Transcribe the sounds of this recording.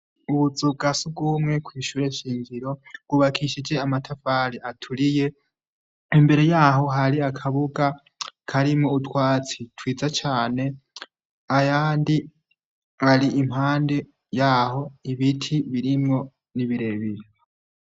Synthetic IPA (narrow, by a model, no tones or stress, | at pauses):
uβud͡zuɡasub̚ɡumŋe̞kwiːʃuːɾe̞ʃiːɲɟiɾo̞ɡ̥uβakʰiʃid͡ʒe̞amatʰafaːɾiatʰuɾije̞ | imbe̞ɾe̞jaːɦo̞ɦaɾiakʰaβuɡa | kʰaɾimoutwaːt͡sitwiːd͡zat͡ʃaːne̞ | ajaːndi | haɾiʔimhaːnde | jaːho̞iβitʰiβiɾimŋo̞ | niβiɾe̞βiɾa